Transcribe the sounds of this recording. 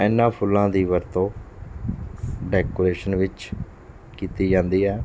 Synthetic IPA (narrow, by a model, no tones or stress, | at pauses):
ɛːnːãːpʰʊlːãːd̪iːʋəɾt̪õː | ɖɛːkoːɾeːʃənʋɪt͡ʃ | kiːt̪iːd͡ʒãːnd̪iːɦɛː